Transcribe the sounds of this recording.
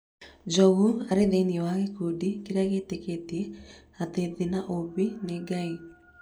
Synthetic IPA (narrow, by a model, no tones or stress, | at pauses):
d͡ʒɔɣuaɾedeiniɛwaɣekudikeɾaɣeteketie | at̪eðinaʔobineɡai